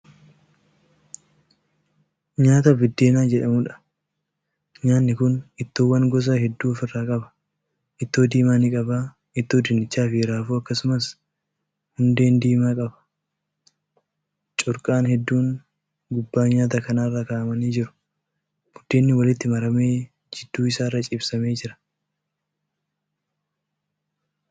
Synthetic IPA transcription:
ɲaːt̪ɐbʊd̪ːe̞ːnaːd͡ʒɛᶑɐmʊᶑɐ̥ | ɲaːnːɪkʊnɪt̪ːoːwɐŋɡɔs̬ɐhɛd̪ːuːfɪrːaːkʼɐbɐ̥ | ʔɪt̪ːoːd̪iːmaːnikʼɐbaː | ɪt̪ːoːd̪ɪnːɪt͡ʃːaːfɪɾaːfuːɐkːɐsʊmɐs | hʊnd̪e̞ːnd̪iːmaːkʼɐbɐ̥ | t͡ʃʼʊɾkʼaːnhɛd̪ːuːŋ | ɡʊbːaːɲaːt̪ɐkɐnaːɪrːakaʔɐmɐniːd͡ʒɪɾʊ̥ | b̥ʊd̪̥ːe̞ːnːɪwɐlɪt̪ːɪmɐɾɐme̞ː | d͡ʒɪd̪̥ːuːɪsaːrːɐt͡ʃʼɪbsɐme̞ːd͡ʒɪɾɐ̥

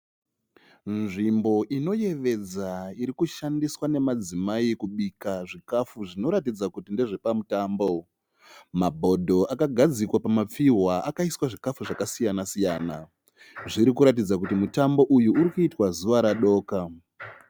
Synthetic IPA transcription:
nʐimbo̞ʔino̞je̞ʋe̞d͡zaiɾikuʃandiswane̞mad͡zimaikuɓikaʐikafuʐino̞ɾatid͡zakutindeʐepamutaːmbo̞ | mabʱo̞dʱo̞ʔakaɡʱad͡zikwapamap͡fiɦwaakaiswaʐikafuʐakasijanasijaːna | ʐiɾikuɾat̬id͡zak̬utimutambo̞ʔujuːɾikuitwazuʋaɾaɗo̞ːka

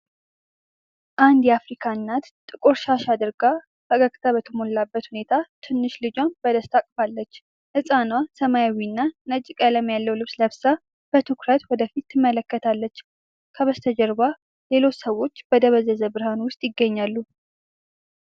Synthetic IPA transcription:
ʔand̪jɛafɾikʰanːat̪t̪ʼːɨkʼuɾʃaʃad̪ɨɾɡa | bəɡəkʼt̪ʰaβət̪ʰəmo̞lːabːət̪hune̞t̪ʰat̪ʰɨnːɨʃlɨd͡ʒanbəd̪əst̪ʰakʼfalːət͡ʃː | hɨsʼanwasəmajawinːanət͡ʃʼɪkʼaləmjalːəwlɨβsləbsa | b̥ət̪ʰukɾət̪wɔd̪əfit̪ːɨmːələkːət̪ʰalːət͡ʃː | kʰəβəst̪ʰəd͡ʒəɾba | le̞lo̞t͡ʃːsəwo̞t͡ʃːb̥əd̪əβəzəzəbɨɾhanwʊst̪ʼjɪɡːəɲːalːu

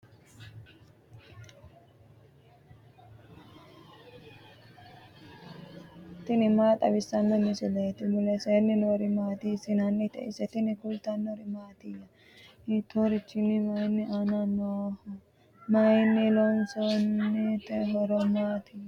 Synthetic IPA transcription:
t̪ɪnɪmaːt̪ʼɐbɪsːɐnːɔnɪsɪlɐɛt̪ɪmʊlɛseːnːɪnoɾɪmaːt̪isɪnɐnːɪt̪ɛ̰ɪsɛt̪ɪnɪkʊlt̪ɐnːoɾɪmaːt̪ijɐ | it̪ːoɾɪt͡ʃːɪnːɪmajnːɪʔananːo | majnːɪlonsonːɛt̪ɛɦɔɾɔmaːt̪i

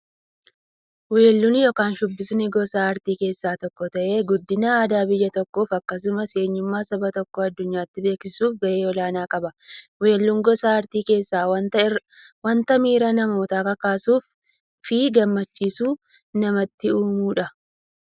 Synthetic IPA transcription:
weːlːunjɔːkaːnʃʊbːɪsnɪɡɔsaɐɾt̪iːke̞ːsːaːt̪ɔkːɔt̪ɐʔe̞ːɡʊd̪ːɪnaːd̪aːbɪjːɐt̪ɔkːoːfɐkːɐs̬ʊmɐse̞ːɲːʊmːaːsɐbɐt̪ɔkːɔɐd̪ːʊɲːaːt̪ːɪbe̞ːksɪsuːfɡɐʔe̞ːɔlaːnaːkʼɐbɐweːlːuŋɡɔsaɐɾt̪iːke̞ːsːaːw | wɐnt̪ɐmiːɾɐnɐmoːt̪aːkɐkaːsuːf | fɪɡɐmːɐt͡ʃːiːsuː | nɐmɐt̪ːɪuːmuːᶑɐ

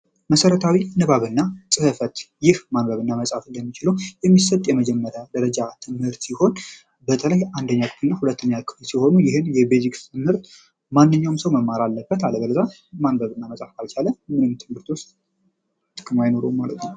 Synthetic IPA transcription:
məsəɾət̪ʰawinɨβaβɨnːasʼɨhɨfət̪jɪhmanbəβɨnːaməsʼafɨnd̪əmːit͡ʃɪləwjɛmːisət̪ʼjɛməd͡ʒɛmːəɾjad̪əɾəd͡ʒat̪ʰɨmhɨɾt̪siho̞n | bət̪ʰələjand̪əɲːakʰɨfɨnːahulət̪ːəɲːakʰʼɨflsiho̞nujɪhɨnjɛbezikst̪ʰɨmhɨɾt̪ | manːɨɲːawmsəwməmːaɾalːəbːət̪aləɡəlza | manbəβɨnːaməsʼafkʰʼalt͡ʃʰaləmɨnɨmt̪ʰɨmhɨɾt̪wʊst̪ʼ | t̪ɨkʼɨmːajno̞ɾumːalət̪na

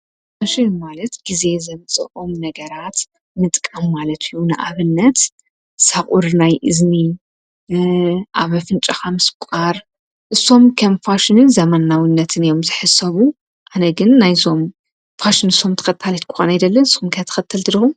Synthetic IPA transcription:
faʃɪnmalɐt̪ɡ̥ize̞zɐβɨt͡sʼɐ̰ʔo̞mnɐɡɐɾat̪ | mɨt̪ʼkʼamːalɐt̪ʰijunɨʔaβɨnːɐt̪ | saχʼuɾnajʔɨzni | ʔaβfɨnt͡ʃʼaxamɨskʷʼaɾ | ʔɨsːo̞mkʰɐmfaʃɪnɨnzɐmanːawinːɐt̪ʰɨnijo̞mzɨħɨsɐβu | ʔanɐɡɨnːajzo̞m | faʃɪnɨsːo̞mt̪ʰɐ̥xɐt̪ʰːalit̪kʰʊxa̰najd̪ɐlːɐnɨsxumkʰɐt̪ʰɐ̥xɐt̪ʰːɐlt̪ʰɨd̪ixum

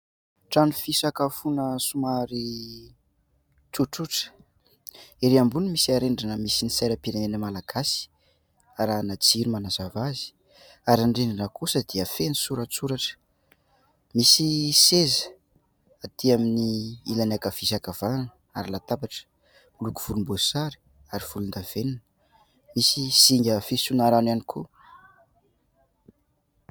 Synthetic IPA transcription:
ʈ͡ʂanifisakafunəsumaɾi | ʈ͡ʂuʈ͡ʂuʈ͡ʂə̥ | iɾiambunimisiaɾeɳɖ͡ʐanəmisinisejɾəpiɾenenəmalaɡ̥asi̥ | aɾanat͡siɾumanazavazi̥ | aɾaɳɖ͡ʐeɳanəkusəd̪iəfenisuɾət͡suɾaʈ͡ʂə̥ | misisezə̥ | at̪iaminiilanakav̥isakav̥ananə | aɾilat̪abaʈ͡ʂə̥ | luku̥v̥ulumbosaɾi̥ | aɾiv̥ulund̪av̥eninə | misisiŋɡʲafisunaɾananikʰu

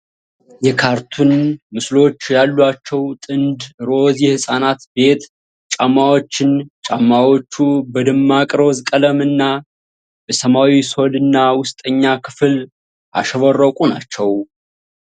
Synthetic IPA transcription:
jɛkʰaɾt̪ʰunmɨslo̞t͡ʃːjalːuat͡ʃːɛwt̪ʼɨnd̪ɾo̞zjɛhɨsʼanat̪be̞t̪ | t͡ʃʼamːawo̞t͡ʃːɪnt͡ʃʼamːawo̞t͡ʃːubəd̪ɨmːakʼɾo̞zkʼələmɨnːa | bəsəmawiso̞lɨnːawʊst̪ʼəɲːakʰɨ̥fɨl | ʔa̰ʃɛβərːəkʼuna̰t͡ʃːɛw

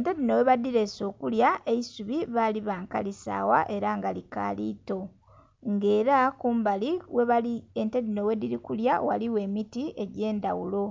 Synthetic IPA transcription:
entedinoweβadiɾeso̞ːkuljaʔe̞isuβiβaliβaːŋka̰lisa̰ːwa̰ʔe̞ɾaŋɡalika̰lḭːto̞ | ŋɡe̞ːɾakuːmbaliweβaientedino̞wediɾikuljawa̰liwe̞ːmitie̞ɟeːndawulo̞

